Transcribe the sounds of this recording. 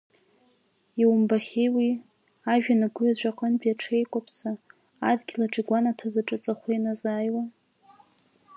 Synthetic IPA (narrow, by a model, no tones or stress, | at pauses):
iwʊmbaχʲejwi | aʒᶣanaɡʷʊaʒʷaqʼənbaʈ͡ʂʰe̞jkʷʼapʰsaː | dɡʲilaʈ͡ʂʼiɡʷanatʰazaʈ͡ʂʼɨt͡sʼaχʷijnazaːjwa